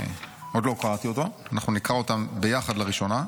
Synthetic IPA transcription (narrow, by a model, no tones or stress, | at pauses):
ʔo̞d̪lo̞kaʁat̪io̞t̪oanaχnunikaʁo̞t̪ambe̞jaχad̪laʁiʃo̞na